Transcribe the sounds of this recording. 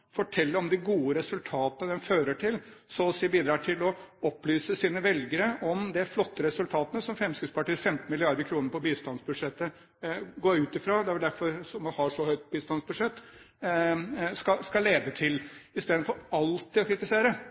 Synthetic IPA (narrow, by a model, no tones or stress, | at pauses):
fɔʈʰɛlːəɾɔmd̪ɪɡuːəɾɛsʉlt̪ʰɑːt̪ənəd̪ɛnføːɾəʈʰɪlsɔsibiːd̪ɾɑːʈʰɪlɔɔplyːsəsiːnəʋɛlɡəɾəʔɔmd̪ɛflɔt̪ːəɾɛsʉlt̪ʰɑːt̪ənəsɔmfɾɛmskʉspɑʈiːsfɛmt̪n̩mɪlɪɑɾd̪əɾkʰɾuːnəɾpɔbiːst̪ɑnsbʉd̪ʂɛt̪ːə | ɡoːʉːt̪ɪfɾɑːd̪ɛæɾʋɛld̪æɾfɔɾsɔmɑnhɑʂɔhœʏt̪̚biːst̪ɑnsbʉd̪ʂɛt̪ː | skɑskɑleːd̪ət̪ʰɪlɪst̪eːd̪n̩fɔɾɑlt̪ːɪɔkʰɾɪt̪ɪseːɾə